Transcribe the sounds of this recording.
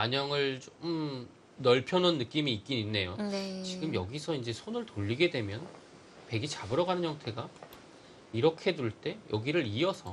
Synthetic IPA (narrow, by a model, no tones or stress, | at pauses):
paɲʌŋɯɭt͡ɕomm | nʌɭpʰjʌnʌnːɯk͈imiːk͈ininːe̞jont͡ɕiɡɯmjʌɡisʰʌind͡ʑe̞sʰonɯɭtoʎːiɡe̞dwe̞mjʌn | pe̞ɡit͡ɕabɯɾʌɡanɯnjʌŋtʰe̞ɡa | iɾʌkʰe̞duɭt͈e̞jʔʌɡiɾɯɾiʌsʰʌ